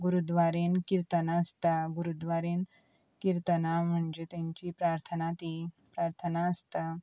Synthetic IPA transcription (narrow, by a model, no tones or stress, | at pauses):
ɡuɾud̪ʋaɾenkiɾt̪ənaəst̪aɡuɾud̪ʋaɾen | kiɾt̪ənam̤əɳd͡ʑet̪jãɲt͡ɕipɾaɾt̪ʰənat̪i | pɾaɾt̪ʰənaəst̪a